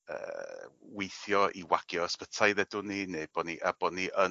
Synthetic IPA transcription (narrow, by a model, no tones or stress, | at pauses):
ə̰ːwejθjɔʔiwaɡ̥jɔspətʰajðɛdʊnineb̥ɔniʔab̥ɔniʔə